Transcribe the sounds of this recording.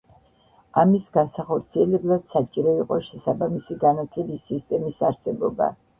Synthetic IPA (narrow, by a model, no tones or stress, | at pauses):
amisɡansaχɔɾt̪sʰiɛlɛblˠad̪̥sat͡ʃʼiɾɔiqʼɔʃɛsabamisiɡanat̪ʰlɛbisist̪ʼɛmisaɾsɛbɔba̰